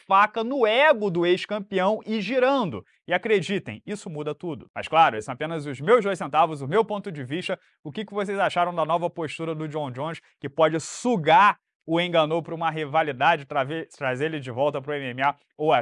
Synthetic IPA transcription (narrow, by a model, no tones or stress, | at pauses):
fakɐnʊɛɡʊd̪ʊejʃkɐ̃mpiɐ̃w̃ɪʒiɾɐ̃nd̪ʊ | ɪakɾed͡ʒit̪ẽj̃isʊmud̪ɐt̪ud̪ʊmɐ̰ʃklˠaɾʊesɐ̃w̃apẽnɐzʊzmewʒd̪ojs̬ẽnt̪avʊzʊmewpõnt̪ʊd͡ʒɪviʃt̪ɐ | ʊkɪkɪvos̬ejzaʃaɾɐ̃w̃d̪ɐnɔvɐpoʃt̪uɾɐd̪ʊd͡ʒiõw̃d͡ʒõʃkɪpɔd͡ʒɪsuɡaɾ | ʊẽɡɐnopɾɐũmɐɦivalid̪ad͡ʒɪt̪ɾavet̪ɾazeɾlɪd͡ʒɪvɔwt̪ɐpɾʊẽmiemia | owɛ